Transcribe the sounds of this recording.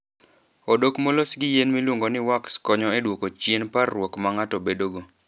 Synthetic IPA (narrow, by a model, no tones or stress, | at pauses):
odokmolosɡɪjenmilwuŋɡonɪwakskɔɲɔedwokot͡ʃjenparwokmaŋatɔbedoɡo